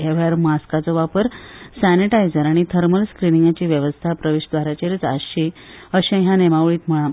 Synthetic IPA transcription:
eʋɭaɾmaskat͡sɔʋapəɾsæniʈajd͡zəɾaɽ̃it̪ʰəɾməlskɾiniŋɡat͡ɕiːʋjəʋəst̪ʰapɾəʋeɕd̪ʋaɾjat͡ɕeɾt͡sa̰ɕi | əɕẽɦjãnemaʋɭiːt̪m̤əɭa

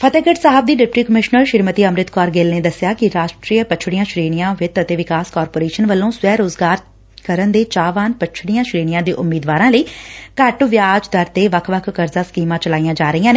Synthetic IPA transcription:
pʰət̪eːɡəʈsaːɦəb̚d̪iːɖɪp̚ʈiːkəmɪʃnəɾʃɪɾmət̪iːəmɾɪt̪kɔːɾɡeːlneːd̪əsːɪjaːkɪɾaːʃʈɾiːəpət͡ʃʰɽijãːʃɾiːɽ̃ijãːʋɪt̪ət̪eːʋɪkaːskɔːɾpoːɾeːʃənʋəlːõːsʋɛːɾoːzɡaːɾ | kəɾənd̪eːt͡ʃaːʋaːnpət͡ʃʰɽijãːʃɾiːɽijãːd̪eːʔʊmːiːd̪ʋaːɾãːləiːkəʈʋjaːd͡ʒt̪əɾt̪eːʋəkʰʋəkʰːəɾzaːskiːmãːt͡ʃəlaːijãːd͡ʒaːɾəijãːneː

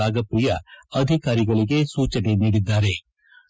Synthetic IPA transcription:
aːɡɐpɾijaɐd̪ʱɪkaːɾiɡɐɭiɡesuːt͡ʃəneniːɽid̪ːaːɾeː

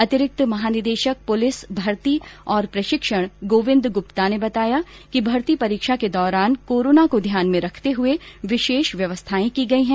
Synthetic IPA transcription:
ɐt̪ɪɾɪk̚t̪mɐɦaːnɪɾd̪eːʃək̚pʊlɪsbʱɐɾt̪iɔːɾpɾɐʃɪkʃəɽ̃ɡoːʋɪ̃nd̪ɡʊpt̪anebɐt̪aːja | kibʱɐɾt̪ipɐɾiːkʃaked̪ɔːɾaːnkoːɾoːnakod̪ʱjaːnmẽɾɐkʰt̪eɦʊeʋɪʃeːʃʋjɐʋəst̪ʰaːẽkiɡɐiɦɛ̃ː

